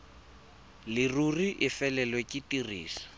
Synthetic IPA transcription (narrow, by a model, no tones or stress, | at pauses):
lɪruriʔɪfɛlɛlwekʼɪtirḭːsḁ